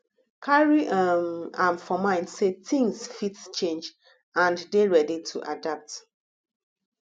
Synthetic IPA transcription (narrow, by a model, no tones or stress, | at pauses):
kʰaɹiʔamãmfɔmãɪ̃ndsetĩŋsfitt͡ʃẽnd͡ʒ | ãndeɹɛditʰṵʔa̰dap̚t